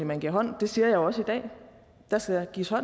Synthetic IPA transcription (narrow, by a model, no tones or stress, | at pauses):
imænɡ̥iɐɦɒ̽n̰d̥e̝siːɐjɑ̈ɪjoɒ̽səid̥ɛ̰ː | d̥æsɡ̥æjɡ̥ḭːshɒ̽n